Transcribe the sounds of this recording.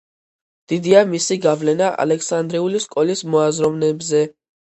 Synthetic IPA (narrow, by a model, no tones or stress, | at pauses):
d̪̥id̪iamisiɡavlɛnaʔa̰lɛkʰsand̪ɾiuliskʼɔlismɔazɾɔvnɛbzɛ